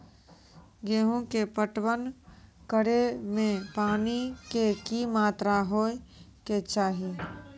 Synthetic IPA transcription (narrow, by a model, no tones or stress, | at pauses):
ɡeːɦõkepəʈwən | kəɽemẽpaːnikekimaːt̪ɾaɦoːeket͡ʃaːɦi